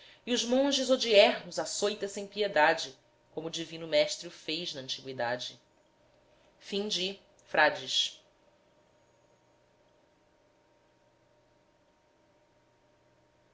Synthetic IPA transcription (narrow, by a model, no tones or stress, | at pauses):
iuʒmõʒɪzod͡ʒiɛɦnʊzasojt̪ɐsẽj̃pied̪ad͡ʒɪ | kõmʊːd͡ʒivĩnʊmɛʃt̪ɾiʊfejʒnɐɐ̃nt͡ʃiɡwid̪ad͡ʒɪ | fĩd͡ʒɪ | fɾʔad͡ʒɪʃ